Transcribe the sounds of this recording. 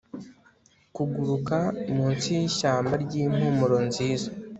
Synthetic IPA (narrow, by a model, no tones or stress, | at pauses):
kuɡuɾukamuːnsijiʃaːmbaɾɟim̥humuɾonziːza